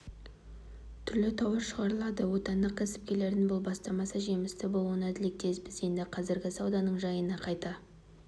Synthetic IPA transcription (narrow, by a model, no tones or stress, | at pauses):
t̪ʰʏɾlɪt̪ʰɑwəɾʃəʁɑɾəlˠɑd̪əwo̞t̪ɑnd̪əq̚kʲʰæsɪ̥p̚kʲe̞le̞ɾd̪ɪnbʊlˠbɑst̪ɑmɑsəʒe̞mɪst̪ɪbo̞lˠuənæd̪ɪlek̚d̪e̞spɪzje̞nd̪ɪqʰɑzɪɾɡʲɪsɑwd̪ɑnəɴʒɑjənɑqʰɑjt̪ɑ